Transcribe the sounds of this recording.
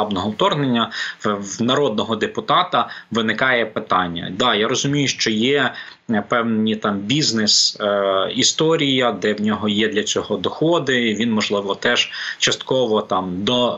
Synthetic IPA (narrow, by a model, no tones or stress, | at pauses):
ɑbnɔɦɔwt̪ɔrnenʲːɐ | nɐɾɔd̪̚nɔɦɔd̪epʊt̪ɑt̪ɐʋɪnɪkɑjɛpɪt̪ɑnʲːɐ̰d̪ɑjaɾɔzʊmʲijʊʃt͡ʃɔjɛ | pɛwnnʲit̪ɑmbʲiznɪs | ist̪ɔɾʲijɐd̪ɛwnʲɔɦɔjɛd̪lʲɐt͡sʲɔɦɔd̪ɔxɔd̪ɪʋʲinmɔʒlˠɪʋɔt̪ɛʒ̥t͡ʃɐst̪kɔʋɔt̪ɑmd̪ɔ